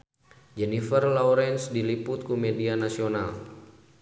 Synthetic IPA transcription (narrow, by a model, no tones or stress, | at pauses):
d͡ʒɛnifərlawɾɛnsdilipʊt̪̚kumedianasional